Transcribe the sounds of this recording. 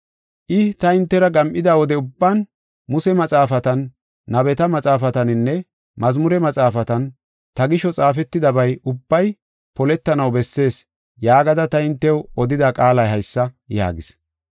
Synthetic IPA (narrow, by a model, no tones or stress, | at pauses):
ʔɪt̪ɐɪnt̪ːɛɾɐɡɐmʔɪd̪awɔd̪ɛʊbːɐn | mʊsɛmɐt͡sʼaːfɐt̪ɐnː | ɐbɛt̪ɐmɐt͡sʼaːfɐt̪ɐnɪnːɛ | mɐzmʊɾɛmɐt͡sʼaːfɐt̪ɐn | t̪ɐɡɪʃɔt͡sʼaːfɛt̪ːɪd̪ɐbɐjʊbːɐj | pɔlɛt̪ːɐnɐwbɛsːe̞ːs | jaːɡɐd̪ɐt̪ɐɪnt̪ːɛwɔd̪ɪd̪akʼaːlɐjɦɐjsːɐ | ja̰ːɡɪs